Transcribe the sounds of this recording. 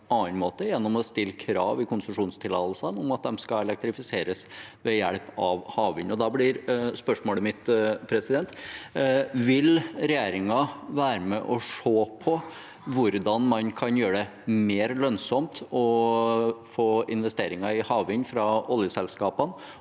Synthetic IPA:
ɑːnmoːt̪əjɛnːɔmɔst̪ɪlːəkʰɾɑ̰ːʋɪkʰʊnsəʂuːnst̪ʰɪlɑ̰ːllsənʊmɑt̪̚d̪ɛmskɑɛlɛk̚t̪ɾɪfɪseːɾəsʋɛjæɭpɑʋhɑːʋɪnɔd̪ɑblɪɾspœʂmoːləmɪt̪pʰɾɛsɪd̪ɛnt̪ | ʋɪlɾɛjeːɾɪŋɑʋæːɾəmɛʔɔʂoːpʰɔ | ʋʊɾd̪ɑnmɑnkʰɑnjøːɾɖɛ | meːɾlœnsɔmt̪ɔ | foːɪnʋɛst̪eːɾɪŋɑɪhɑːʋɪnfɾɑɔljəsɛlskɑːpən

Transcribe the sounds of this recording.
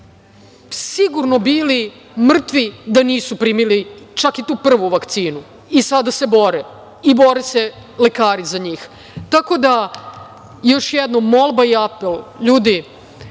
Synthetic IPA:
siɡuɾnobiːli | mr̩t̪ʋid̪aniːsupɾiːmilit͡ʃakit̪uːpr̩ʋuʋakt̪siːnu | isad̪ase̞bo̞ɾe | ibo̞ɾese | le̞kaːɾizaɲiːx | t̪ako̞d̪a | jo̞ʃjɛd̪nomːo̞lˠbaiapelʎuːd̪i

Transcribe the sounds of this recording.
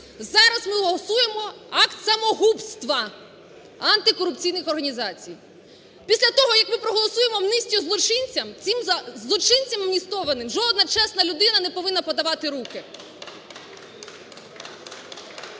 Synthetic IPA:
zɑɾɐzmɪɦɔlˠɔsuje̞mɔɑkt̪sɐmɔɦupst̪ʋɐ | ɐnt̪ɪkɔɾʊp̚t͡sʲijnɪxɔrɦɐnʲizɑt͡sʲij | pʲisʲlʲɐt̪ɔɦɔjɐkmɪpɾɔɦɔlˠɔsujemɔmnɪsʲtʲʊzlˠɔt͡ʃɪnʲt͡sʲɐmt͡sʲimzlˠɔt͡ʃɪnʲt͡sʲɐmmnʲist̪ɔʋɐnɪmʒɔd̪̚nɐt͡ʃɛsnɐlʲʊd̪ɪnɐnɛpɔʋɪnːɐpɔd̪ɐʋɑt̪ɪɾukɪ

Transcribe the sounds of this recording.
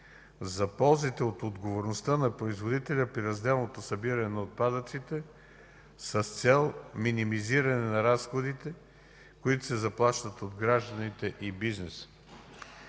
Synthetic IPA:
zɐpɔlˠzit̪ɛot̪od̪ɡovoɾnost̪ənɐpɾoizvod̪it̪ɛlʲəpɾiɾɐzd̪ɛlˠnot̪osɐbiɾɐnɛnɐot̪̚pad̪ət̪sit̪ɛ | səst̪sɛlˠminimiziɾɐnɛnɐɾasxod̪it̪ɛ | koit̪o̥sɛzɐplˠaʃt̪ət̪od̪ɡɾaʒd̪ənit̪ɛʔibiznɛsə̥

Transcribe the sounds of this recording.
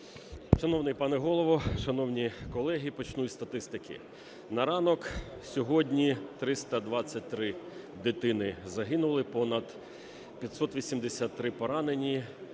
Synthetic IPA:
ʃɐnɔwnɪjpɑnɛɦɔlˠɔʋɔʃɐnɔwnʲikɔlˠɛɦʲipɔt͡ʃnutʲst̪ɐt̪ɪst̪ɪkʲɪ̰ | nɐɾɑnɔksʲɔɦɔdʲnʲit̪ɾɪst̪ɐd̪ʋɑt͡sʲːɐt̚ʲt̪ɾɪ | d̪ɪt̪ɪnɪzɐɦɪnʊlˠɪpɔnɐd̪̥ | pʲjɐt̪ʲsɔt̪ʋʲisʲimd̪esʲat̪ːɾɪpɔɾɑnenʲi

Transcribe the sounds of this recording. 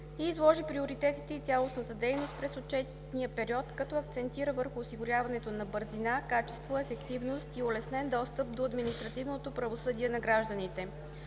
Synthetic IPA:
iːzlˠɔʒipɾioɾit̪ɛt̪it̪ɛit̪ʲalˠosnət̪əd̪ɛjnost̪̚pɾɛsot͡ʃɛt̪̚ | nijəpɛɾiɔt̪kɐt̪ɔɐkt̪sɛnt̪iɾəvəɾxʊːsiɡʊɾʲjavɐnɛt̪onɐbɤɾzinakat͡ʃɛ̥st̪voɛfɛkt̪ivnost̪iolɛsnɛnd̪ɔst̪əp̚d̪oɐd̪minist̪ɾɐt̪ivnot̪opɾɐvosɤd̪iɛnɐɡɾaʒd̪ənit̪ɛ

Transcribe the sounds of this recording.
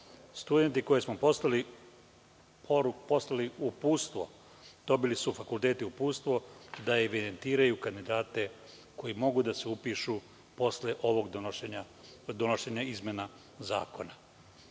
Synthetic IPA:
st̪ud̪e̞nt̪iko̞jesmoposali | pʰoɾukpo̞slaliupuːst̪ʋo̞̰ | d̪̥o̞bilisufakulˠt̪eːt̪iupuːst̪ʋo̞d̪aeʋid̪e̞nt̪iːɾajukand̪id̪aːt̪e̞ | ko̞jimo̞ɡud̪aseupiʃu | po̞sleʔo̞ʋo̞ɡd̪ɲa | d̪onoʃeːɲaizmʲjena | za̰ːko̞na

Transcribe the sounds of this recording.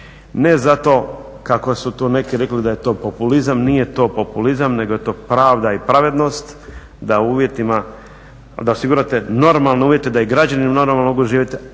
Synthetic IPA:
ne̞zat̪o̞ː | kako̞sut̪oːne̞kiɾe̞klid̪aje̞t̪o̞ːpo̞pulizamnije̞t̪o̞ːpo̞pulizamne̞ɡo̞je̞t̪o̞ːpɾaːʋd̪aipɾaʋe̞d̪no̞st̪ | d̪auːʋje̞t̪ima | d̪ao̞siɡuɾat̪e̞no̞ɾmalˠneuːʋje̞t̪ed̪aiɡɾad͡ʑanimanoɾmamaloɡuʒiːʋjit̪e

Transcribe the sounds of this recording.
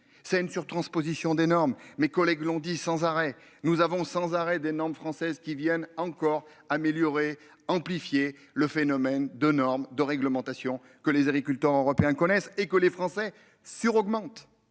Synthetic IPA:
sɛt̪ynsyʁt̪χɑ̃spozisjɔ̃d̪enɔʁmːekɔlɛɡlɔ̃d̪isɑ̃zaʁɛ | nuzavɔ̃sɑ̃zaʁɛd̪enɔʁmfχɑ̃sɛzkʲivjɛnɑ̃kɔʁ | ameljɔʁe | ɑ̃plifje | ləfenɔmɛnd̪ənɔʁmd̪əʁɛɡləmɑ̃t̪asjɔ̃ | kəlezaɡʁikʲylt̪œʁøʁɔpeɛ̃kɔnɛsekəlefχɑ̃sɛ | syʁɔɡmɑ̃t̪

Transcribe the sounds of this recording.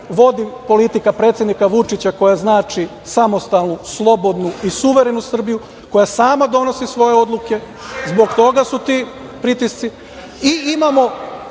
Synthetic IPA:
ʋo̞d̪ipo̞lit̪ikapɾe̞ːt̪sje̞d̪nikaʋut͡ʂit͡ɕako̞jaznaːt͡ʃi | samo̞st̪alˠnuslˠo̞bo̞d̪nuisuʋe̞ɾe̞nusr̩biju | ko̞jasaːmad̪o̞no̞sisʋo̞jeo̞d̪lˠuke̞ | zbo̞ɡt̪o̞ɡasut̪i | pɾit̪ist̪si | iimamo̞

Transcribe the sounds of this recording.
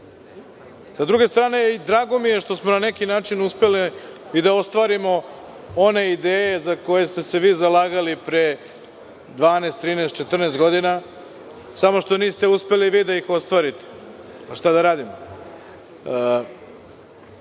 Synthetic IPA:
sad̪ɾuɡe̞st̪ɾaːne̞id̪ɾaːɡo̞mije̞ʃt̪o̞smo̞nane̞kinaːt͡ʃinuspe̞liid̪ao̞st̪ʋaɾimo̞ | o̞ne̞id̪eːje̞zako̞je̞st̪e̞se̞ʋiːzalaːɡalipɾe | d̪ʋaːnest̪ːɾiːneːst̪t͡ʃe̞t̪r̩nest̪ɡo̞d̪ina | samo̞ʃt̪o̞niːst̪e̞uspe̞liʋiːd̪aixo̞st̪ʋaːɾit̪e̥ | aʃt̪ad̪aɾaːd̪imo

